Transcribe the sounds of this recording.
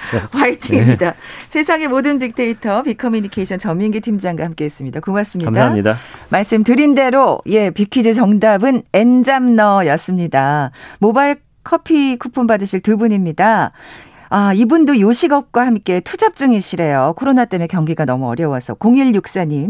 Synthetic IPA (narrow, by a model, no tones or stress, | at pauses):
waitʰiŋimidasʰe̞sʰaŋe̞modɯnpik̚tʰe̞itʰʌpikʰʌmjuɲikʰeiɕʰʌnt͡ɕʌmːiŋɡitʰimd͡ʑaŋɡwahamk͈e̞is͈ɯmɲidakumas͈ɯmɲimdaaɲidamaɭs͈ɯmtɯɾinde̞ɾoie̞pikʰid͡ʑɯt͡ɕʌŋdabɯne̞nd͡ʑamnʌjʌs͈ɯmɲidamobaiɭ | kʰʌpʰikʰupʰɯmbadɯɕʰiɭtɯbuɲimɲida | aibundojoɕʰiɡʌp̚k͈wahamk͈e̞tʰud͡ʑap̚t͡ɕ͈ɯŋiɕʰiɾe̞jokʰoɾonat͈e̞me̞kjʌŋɡiɡanʌmuʌɾjʌwasʰʌkoŋiɭjuk̚s͈aɲim